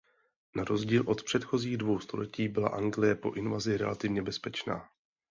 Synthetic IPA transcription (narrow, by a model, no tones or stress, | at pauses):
naɾo̞zɟiːlʔo̞t̪pr̥ɛt̪xo̞ziːɣdvo̞wst̪o̞̰lɛciːbɪla̰ʔaŋɡlɪjɛpo̞̰ʔɪnvazɪɾɛ̰lat̪ɪvɲɛbɛspɛt͡ʃna̰ː